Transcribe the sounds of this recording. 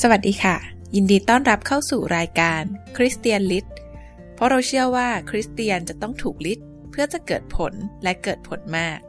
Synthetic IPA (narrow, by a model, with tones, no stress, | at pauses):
sa˧wa˨˩t̪̚diː˧kʰa˥˩ | ji˧ndiː˧t̪ɔː˥˩nɾa˦˥p̚kʰa˥˩wsuː˨˩ɾaː˧jkaː˧nkʰɾi˦˥st̪i˧ənli˦˥t̪̚ | pʰɾɔ˦˥ɾa˧wt͡ɕʰɯ˥˩əwaː˥˩kʰɾi˦˥st̪i˧ənt͡ɕa˨˩ʔt̪ɔ˥˩ŋt̪ʰuː˨˩k̚li˦˥t̪̚ | pʰɯ˥˩ɐt͡ɕa˨˩kɤː˨˩t̪̚pʰo˨˩˦nlɛ˦˥kɤː˨˩t̪̚pʰo˩˦nmaː˥˩k̚